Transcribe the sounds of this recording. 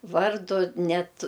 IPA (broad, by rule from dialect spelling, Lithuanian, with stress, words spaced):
ˈʋɐrdʊ ˈnʲɛt